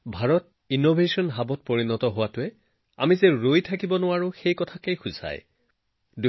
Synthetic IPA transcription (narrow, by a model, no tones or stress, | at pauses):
bʱaɹɔt̚ | inobʱesɔnɦabɔt̚pɔɹinɔtɔɦʊwatʊɛ | a̰mizɛɹojtʰakibɔnʊwaɹʊxejkɔtʰakejxʊza̰j | du